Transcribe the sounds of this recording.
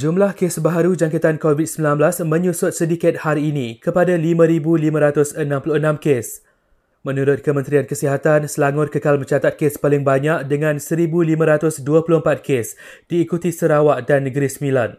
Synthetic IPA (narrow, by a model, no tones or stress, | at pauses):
d͡ʒumlahkesbaɦaɾud͡ʒaŋkət̪ankovid̚səmbilanblasmə̃ɲusʊt̪̚sədikɪt̪̚haɾiːnĩkəpadalimãɾibulimãɾat̪ʊsənãmpulʊhənãmkes | mə̃nuɾʊt̪̚kəmə̃nt̪ɾiankəsiɦat̪ansəlaŋʊt̪̚kəkalmə̃ɲt͡ʃat̪at̪̚kespalɪŋbaɲak̚dəŋãnsəɾibulimãɾat̪ʊsduapulʊhəmpat̪̚kʰes | d̥iːkut̪isəɾawaʔdanːə̃ɡəɾisəmĩlan